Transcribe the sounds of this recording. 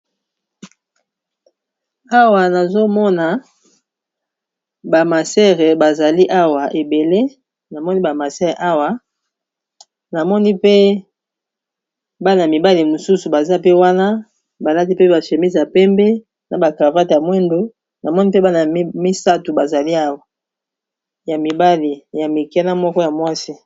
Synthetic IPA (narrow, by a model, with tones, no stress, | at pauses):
a˦wa˨na˨zo˦mɔ˦na˨ | ba˨ma˨sɛ˦ʁe˨ba˨za˨li˦ʔa˦wa˨ʔe˨be˨le˦ | na˨mɔ˦ni˦ba˨ma˨sɛ˦ʁḛ˨ʔa˦wa˨ | na˨mɔ˦ni˦pe˦ | ba˦na˨a˨mi˨ba˦li˨mo˨su˦su˨ba˨za˦pe˦wa˦na˦ | ba˨la˦t̬i˦pe˦ba˨ʃe˨mi˦zja˨pɛ˦mbɛ˦ | na˨ba˨ka˨va˦te˨ja˨mwɛ˦ndu˨ | na˨mɔ˦ni˦pe˦ba˦na˨˦mi˦sa˦tu˨ba˨za˨li˦a˦wa˨ | ja˨mi˨ba˦li˨ja˨mi˨kɛ˦na˦mɔ˦kɔ˦ja˨mwa˦si˦